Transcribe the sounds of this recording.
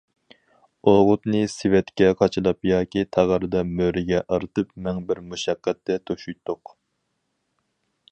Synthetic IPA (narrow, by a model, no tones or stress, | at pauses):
oʁʊt̪nɨsɪwɛt̪kʲɛqʰɑt͡ʃʰɨlˠɑpjɑːkʲit̪ʰæʁəɾɨd̪ɑmøɾɪɡʲɛʔɑɾɨt̪ɨpmɛŋbɪɾmuʃɛqːɛt̪ːɛt̪ʰoʃujt̪ʰːʊq